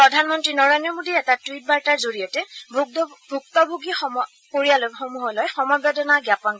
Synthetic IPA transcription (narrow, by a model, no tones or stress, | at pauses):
pɹɔdʱanmɔntɹinɔɹajnɔmodiɛtatɹit̚baɹtaɹzoɹijɔtɛbbʱuk̚tɔbʱuɡixɔ | koɹijaloxomuɦɔlɔjxɔmɔjbɛdɔnaɡjapɔn